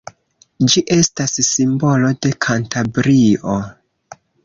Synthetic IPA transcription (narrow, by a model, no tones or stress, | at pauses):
d͡ʒiʔe̞stasːimbo̞lo̞de̞kʰantʰabɾio